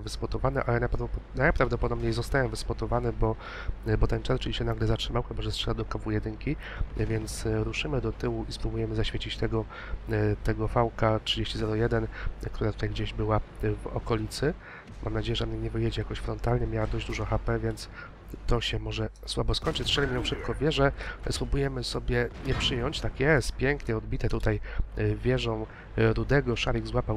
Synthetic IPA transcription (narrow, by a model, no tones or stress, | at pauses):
vɘspɔt̪ɔvanɛʔalɛnapnajpɾavd̪ɔpɔd̪ɔbɲejzɔst̪ajɛvɘspɔt̪ɔvanɛbɔ | bɔt̪ɛnt͡ʂɛɾt͡ʂɘlɕɛnaɡlɛzatʂɘmawxɛbɔʐɛstʂɛad̪ɔkavujɛd̪ɘŋkʲi | vʲjɛnt̪sɾuʂɘmɘd̪ɔt̪ɘwuispɾubujɛmɘzaɕfʲet͡ɕit͡ɕt̪ɛɡɔ | t̪ɛɡɔfawkatʂɘd͡ʑeɕt͡ɕizɛɾɔjɛd̪ɛnkt̪uɾat̪u̥t̪ajɡd͡ʑeʑbɘwavɔ̰kɔlʲit̪sɘ | mʔa̰mnad͡ʑejɛʐəɛɔmɲɛɲɛvɘjɛd͡ʑɛjakɔɕfɾɔnt̪alɲɛmjawad̪ɔʑd͡ʑd̪uʐɔ̃xapɛvʲjɛnt̪s | t̪ɔɕɛmɔʐɛswabɔskɔɲʲt͡ʂɘt͡ɕt̪ʂɛlʲmiɲɛwʂɘp̚kɔvʲjɛʐɛspɾubujɛmɘsɔbʲjɛɲɛpʂɘjɔɲt͡ɕt̪akjɛst̪pʲjɛŋkɲɛɔd̪̚bʲit̪ɛt̪ut̪ajvʲjɛʐɔ̃w̃ | ɾud̪ɛɡɔʂaɾʲjiɡzwapaw